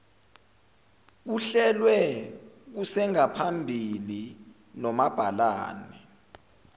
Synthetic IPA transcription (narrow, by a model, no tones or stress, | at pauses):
k̬uɬɛlwɛ | k̬usɛŋapʰambʱili | nɔmab̥ʱala̰ːnɛ